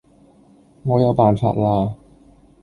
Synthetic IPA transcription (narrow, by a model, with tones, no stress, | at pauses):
ŋɔː˨˧˥ja˨˧wpaː˨˩nfa̰ː˨˩t̚laː˧